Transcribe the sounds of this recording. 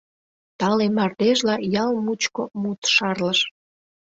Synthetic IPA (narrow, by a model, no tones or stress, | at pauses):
t̪ɑlemɑrd̪eʒlɑjɑlmut͡ɕkomut̪ʃɑrləʃ